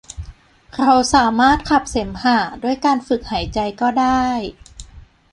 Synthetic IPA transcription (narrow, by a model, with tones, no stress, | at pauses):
kʰɾa˧wsaː˩˦maː˥˩t̪̚kʰa˨˩p̚se˩˦mhaː˩du˥˩əjkaː˧nfɯ˨˩k̚haː˩˦jt͡ɕa˧jkɔː˥˩daː˥˩j